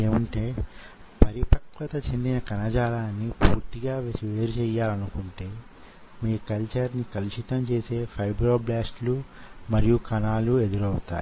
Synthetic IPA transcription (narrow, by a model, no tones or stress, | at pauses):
eːmɐɳʈe̞ː | pɐɾipɐkɭɐt̪ɐt͡ʃend̪inɐkɐnɐd͡ʒaːlaːnːipuːɾt̪iɡaːʋeːsiʋeːɾut͡ʃɛjːaːlɐnukuɳʈe̞ː | miːkɐlt͡ʃɐɾnikɐlit͡ʃit̪ɐmt͡ʃe̞ːse̞ːpʰɐjbɾoːblaːsʈlumɐɾijukɐnaːlued̪uɾɐwut̪a̰ːji